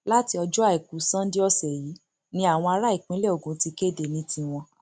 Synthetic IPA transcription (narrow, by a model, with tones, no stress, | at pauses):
la˦ti˧ɔ˧d͡ʒɔ˦a˦˨i˨ku˨˦sã˦di˦ɔ˧sɛ˨jiː˨˦ | nĩ˦a˦˨w̃ɔ̃˧a˧ɾa˦i˨k͡pĩ˨˦le˦o˨ɡũ˨˦ti˧ke˦˨de˨nĩ˦tĩ˧w̃ɔ̃˧